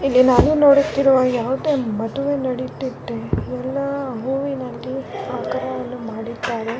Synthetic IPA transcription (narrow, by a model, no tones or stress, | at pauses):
ilːinaːnuno̞ːɽut̪ːiɾuʋaːjaːʋud̪emɐd̪uʋenɐɽit̪ːid̪ːeɛlːɐɦuːʋinɐlːiaːkɐɾɐʋɐnːumaːɽid̪ːaːɾe